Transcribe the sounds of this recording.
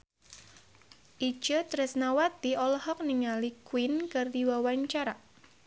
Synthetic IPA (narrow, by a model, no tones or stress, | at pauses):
ʔi̥d͡ʒ̥ət̪ɾəsnawat̪iɔlhɔk̚niŋalikwinkɨrd̪iwawaɲt͡ʃaɾa